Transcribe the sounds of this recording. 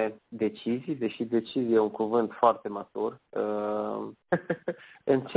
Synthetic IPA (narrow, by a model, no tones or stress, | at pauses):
ed̪e̞t͡ʃizijd̪e̞ʃid̪e̞t͡ʃizijeuŋkuvɨnt̪foart̪e̞mat̪urə | ɨnt͡ʃ